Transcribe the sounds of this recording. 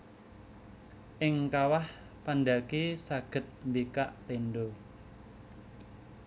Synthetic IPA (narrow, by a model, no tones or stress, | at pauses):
ʔɪŋkawah | pandakesaɡ̥ə̤t̪̚mbikaʔt̪enɖo